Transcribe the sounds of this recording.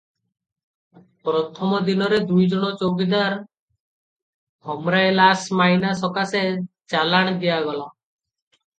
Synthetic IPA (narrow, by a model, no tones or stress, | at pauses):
pɾɔt̪ʰɔmɔd̪inɔɾed̪ujd͡ʒɔɽ̃ɔt͡ʃoɡid̪aɾ | hɔmɾajlasmaɦinasɔkase | t͡ʃalaɽ̃d̪ijaɡɔla